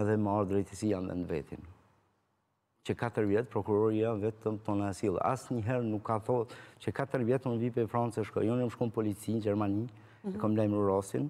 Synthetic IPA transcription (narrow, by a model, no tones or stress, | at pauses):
ɛðɛmaɾd̪ɾɛjt̪əsijanvɛ̰nd̪vɛ̰t̪in | cəkat̪əɾvjɛt̪pɾɔkuɾɔɾiavɛt̪əmt̪ɔnaɛsil̰ˠa̰sɲəɦɛɾnukʰːaθɔtt͡ɕəkat̪əɾvjɛt̪unvipɛfɾant͡sɛʃkɔ̰jɔnamʃkɔmpɔlit͡sind͡ʒɛɾmani | ɛkɔmlajmuɾasin